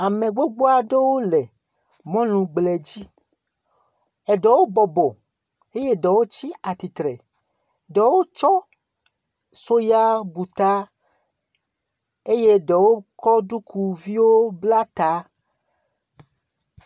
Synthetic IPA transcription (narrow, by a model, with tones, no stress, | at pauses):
a˨mẽ˨ɡ͡bo˦ɡ͡bo˦a˨ɖe˦wo˦le˨ | mɔ̃˦lũ˨ɡ͡ble˨d͡ʑi˦ | ɛ˨ɖɔ˨wo˦bɔ˨bɔ˨ | e˦je˦dɔ˨wo˦t͡ɕi˦a˨t̪i˨t̪ɾe˨ | ɖɔ˨wo˦t͡ʃɔ˦ | so˦ja˦bu˨t̪a˦ | e˦je˦dɔ˨wo˦kɔ˦ɖu˦kʰu˨vi˦wo˦bla˦t̪a˨˦